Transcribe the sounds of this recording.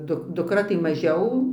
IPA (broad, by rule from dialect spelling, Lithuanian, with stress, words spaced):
ˈdʊk dʊkˈrɐ tɐɪ mɐˈʒʲɛʊ